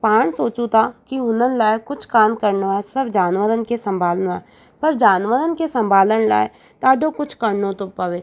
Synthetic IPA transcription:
paːɳsoːt͡ʃũt̪akiʊnənlaːekʊt͡ʃʰkaːnkəɾnoɛsɐbd͡ʒaːnʋəɾənkesə̃mbʱaːlnɛ | pɐɾd͡ʒaːnʋəɾənkesɐ̃mbʱaːlənla̰ːe | t̪aːɖokʊt͡ʃʰkəɾnõt̪opɐʋeː

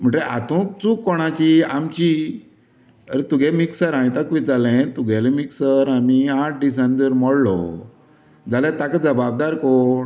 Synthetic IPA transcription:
m̤əɳʈɾeʔa̰t̪ũkt͡sukːɔɽ̃ãt͡ɕiamt͡ɕi | əɾet̪uɡemiksəɾãĩt̪əkʋit͡sd͡zalɛ̃t̪uɡʱɛlemiksəɾamiaʈ̚ɖis̬ãnt̪iɾmɔɽlɔ̰ | d͡zalat̪akd͡zəbab̚d̪aɾkɔ

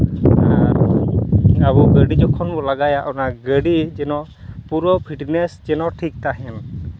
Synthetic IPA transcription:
a | abɔɡəɖid͡ʒɔkʰɔnbɔlaɡajaʔɔnaɡəɖid͡ʒɛnɔ̃ | puɾɔpʰiʈnesd͡ʒɛnɔ̃ʈʰik̚t̪aɦɛn

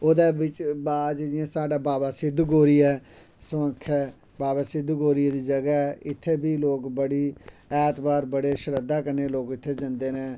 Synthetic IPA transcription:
oːd̪eːbɪt͡ʃbaːd͡ʒd͡ʒɪãːsaːɖaːbaːbaːsɪd̪ɡoːɾiːɛː | səə̃kʰːɛː | baːbaːsɪd̪ɡoːɾɪjad̪iːd͡ʒəɡaːɛːʔɪt̪ʰːeːbiːloːkbəɽiːɛːt̪baːɾbəɽeːʃəɾəd̪aːkəɾneːloːkɪt̪ʰːeːd͡ʒə̃nd̪eːɾẽː

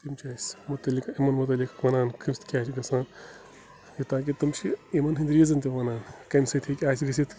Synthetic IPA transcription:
t̪imt͡ʃʰaːsʲmut̪ɐlikaimɐnmut̪̬ɐlikʋɐnaːnkʰimst̪ʰkʲaːt͡ʃʰɡɐsãːn | jit̪aːk̬it̪ɐmt͡ʃʰiimɐnɦind̪ɾijizɐnt̪iʋɐnaːnkɐmsɐt̪ʰikʲiaːsʲɡɐs̬it̪ʰ

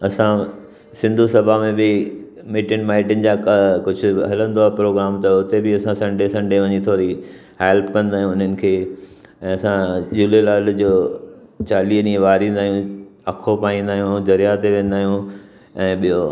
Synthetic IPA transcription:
ɐsã | sɪ̃nd̪ʱusɐbʱamẽbɪ | miːʈɪnmaːɪʈɪnɪ̆d͡ʑakɐkʊd͡ʑʱʊ̆ɦɐlə̃nd̪oapɾoːɡɾaːmt̪ɐʊt̪ebɪɐsãsɐ̃ɳɖesɐ̃ɳɖeʋɐɲit̪ʰoːɾi | ɦeːlpkɐ̃nd̪aːɦijũʊn̤ənɪ̆kʰeː | ɛ̃ːɐsãd͡ʑulelaːld͡ʑoːt͡ɕaːliːnĩẽʋaːɾĩn̆d̪aːɦjũɐkʰopaːĩːnd̪aːɦijũd̪ɐɾijat̪eʋẽːn̆d̪aːɦijũ | ɛ̃ːɓijo

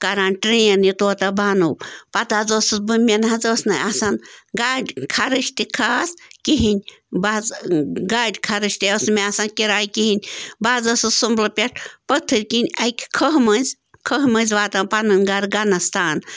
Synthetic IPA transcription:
kaɾaːnʈɾeːnit̪oːt̪ɐbanupɐt̪azosɨzbɨmʲenɦɐ̃zoːsnaasanɡaɖʲkʰaɾɨʃt̪ikʰaːskiɦinʲbazɡaːɖʲkʰaɾɨʃʲt̪iosmeasankiɾaːjkiɦinʲbaːzɐsɨsumblɐpʲeʈʰpət̪ʰːɨɾʲkinʲɐjkʰkʰəɦmɐnʲzʲ | kʰəɦmɐnʲzʲʋaːt̪anpanɨnʲɡaɾɡanɐst̪aːn

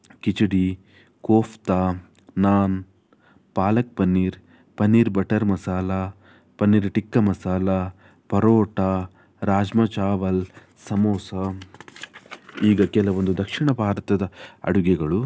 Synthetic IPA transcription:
kit͡ʃiɽi | koːft̪aː | naːn | paːlɐk̚pɐnːiːɾ | pɐnːiːɾbɐʈɐɾmɐsaːla | pɐnːiːɾʈikːɐmɐsaːla | pɐɾoːʈa | ɾaːd͡ʒmɐt͡ʃaːʋɐl | sɐmoːsɐ | iːɡɐkɛlɐʋond̪ud̪ɐkʂiɳɐbʱaːɾɐt̪ɐd̪ɐɐ̰ɽuɡɛɡɐɭu

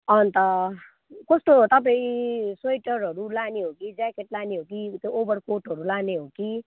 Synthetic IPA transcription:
ʌnt̪ʌ | kʌst̪ot̪ʌpaĩsʌjʈʌɾɦʌɾulaneɦokid͡zakeʈlaneɦokit̪joobʌrkoʈɦʌɾulaneɦoki

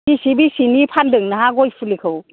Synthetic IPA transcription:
bisibisinipʰandɯŋnaɦaɡɔjpʰulikʰɯw

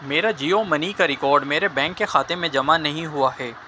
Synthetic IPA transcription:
meːɾad͡ʒiːomɐnikaɾɪkɔːɾɖmeːɾebɛ̃ːŋkːexaːt̪emẽd͡ʒɐmanɐɦĩɦʊaɦɛː

